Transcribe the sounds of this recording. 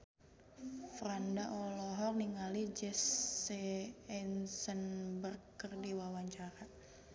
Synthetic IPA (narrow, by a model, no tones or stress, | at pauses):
fɾandaʔɔlɔɦɔk̚niŋalid͡ʒɛseɛnsənbərkːərdiwawaɲt͡ʃaɾa